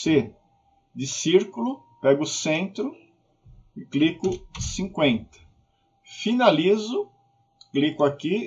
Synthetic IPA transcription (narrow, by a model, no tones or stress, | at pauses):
se | d̪ɪsiɾkʊlʊ | pɛɡʊʊsẽnt̪ɾʊ | ɪklikʊsĩŋkwẽnt̪ɐ̥ | finalizʊ | klikʊaki